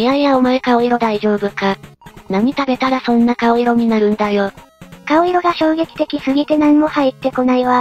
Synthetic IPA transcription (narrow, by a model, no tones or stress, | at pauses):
iaijaomoekao̞iɾo̞d̪aiʑo̞ːbɯ̟kanaɲ̟it̪abe̞t̪aɾasõ̞nːakao̞iɾo̞ɲ̟inaɾɯ̟̃nd̪ajo̞ | kao̞iɾo̞ɡaɕo̞ːɡe̞kʲi̥t̪e̞kʲisɨɡʲit̪e̞nãŋmohait̪ːe̞ko̞naiβa